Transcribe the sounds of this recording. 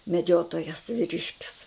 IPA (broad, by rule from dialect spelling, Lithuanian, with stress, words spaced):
mʲɛˈd͡ʒʲoːtoːjɛs ʋʲɪˈrʲɪʃʲkʲɪs